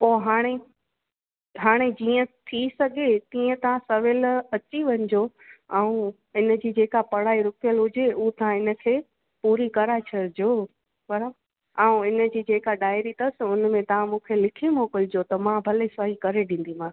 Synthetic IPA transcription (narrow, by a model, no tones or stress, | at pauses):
poːɦaːɽ̃e | ɦaːɽ̃ed͡ʑiːə̃t̪ʰisɐɡʱet̪iːə̃t̪ɐʋãsɐʋɪlɐt͡ɕiʋɐ̃ɲɪd͡ʑo | aːũ | ɪnə̆d͡ʑiːd͡ʑeːkapɐɽ̤aːiɾʊkjəlɦʊd͡ʑeʔut̪ɐɦãɪnə̆kʰeː | puːɾikɐɾat͡ɕʰɐd͡ʑoː | bɐɾab | aːũɪnə̆d͡ʑiːd͡ʑeːkaɗaːɪɾit̪ɐsɪʊnəmẽt̪ɐʋ̤ãmũːkʰelɪkʰimoːkɪld͡ʑot̪ɐmãbʱɐlesaɦikɐɾeɗĩːn̆d̪im̤ãː